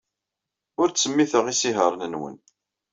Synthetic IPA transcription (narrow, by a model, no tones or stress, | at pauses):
ʊɾt͡sːəmːiθəʁisiɦəɾˤnənwə̰n